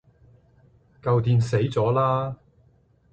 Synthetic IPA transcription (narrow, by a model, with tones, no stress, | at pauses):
kɐ˧wt̪iː˧nse˨˥jt͡sɔː˨˥laː˥